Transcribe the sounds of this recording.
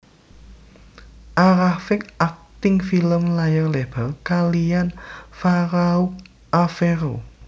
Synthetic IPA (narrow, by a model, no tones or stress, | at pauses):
ʔaɾafɪk̚ak̚t̪ɪŋfiləmlajərleb̥ərkalianfaɾauk̚ | afeɾo